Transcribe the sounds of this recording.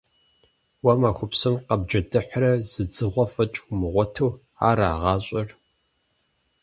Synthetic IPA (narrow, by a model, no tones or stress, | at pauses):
wɐmaxʷʊpsɨmqɐb̚d͡ʒɐdɨħʷrɐz̥ɨd͡zɨʁʷɔfɐt͡ʃʼʊmɨʁʷɔtʰuw | aːɾa̰ːʁɑːɕʼɐr